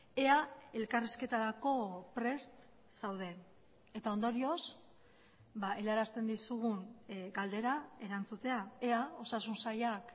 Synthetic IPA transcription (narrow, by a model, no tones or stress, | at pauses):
e̞ae̞lkariske̞t̪aɾako̞pɾe̞st̪ | sawðe̞n | e̞t̪ao̞nd̪o̞ɾio̞s | baʔe̞laɾast̪e̞nd̪isuɣunɡald̪e̞ɾae̞ɾant͡sut̪e̞ae̞ao̞sasunsajak